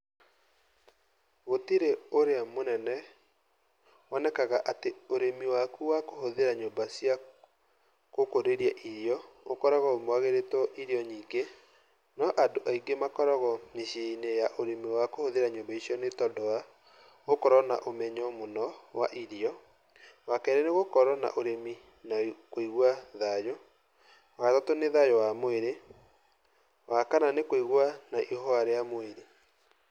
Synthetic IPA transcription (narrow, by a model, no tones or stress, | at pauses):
ɣotiɾeoɾeamonɛnɛ | wɔnɛkaɣaʔateoɾemiwakuwakohoðeɾaɲombasia | kokoɾeɾiaʔiɾiɔokɔɾɔɣɔomwaɣeɾetɔʔiɾiɔɲiɡe | nɔʔadoʔaiɡemakɔɾɔɣɔneɕenejaʔoɾemiwakohoðeɾaɲombaiɕjɔnetɔdɔwa | ɣokɔɾɔna̰ʔomɛɲɔmonɔwaʔiɾiɔ | wakɛɾɛneɣokɔɾɔna̰ʔoɾemi | nakoiɣwaðajɔ | atɔtoneðajɔwamoeɾe | wakananekoiɣwanaʔihɔaɾeamoeɾe